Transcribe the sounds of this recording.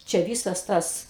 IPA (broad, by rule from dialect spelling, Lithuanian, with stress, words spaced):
t͡ʃʲɛ ˈʋʲiːsɐs ˈtɐs